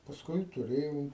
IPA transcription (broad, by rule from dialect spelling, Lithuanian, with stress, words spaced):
pɐsˈkʊɪ tʊˈrʲeːjɛʊ